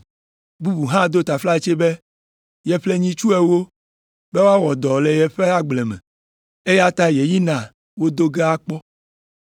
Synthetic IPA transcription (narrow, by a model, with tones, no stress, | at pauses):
bu˦bu˨ɦã˦d̪o˦t̪a˨fla˦e˨t͡ʃe˦be˦ | jɛ˨ɸle˦ɲĩ˦t͡ʃu˦ɛ˨wo˦ | be˦wo˦a˦wɔ˨d̪ɔ˨le˨jɛ˨ɸe˦a˦ɡ͡blɛ˨mɛ̰̃˨ | e˦ja˦t̪a˦je˨ji˦nã˨ | wo˦d̪o˦ɡe˦a˦k͡pɔ˦